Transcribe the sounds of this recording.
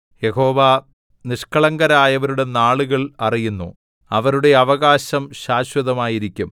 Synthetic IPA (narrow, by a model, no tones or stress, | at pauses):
je̞ho̞ːʋa | niʂkɐɭɐŋɡɐɾaːjɐʋɐɾuɽe̞naːɭuɣɐɭɐrijunːṵ | ɐʋɐɾuɽe̞ɐʋɐɣaːɕɐmɕaːɕwɐðɐmaːjiɾikʲːum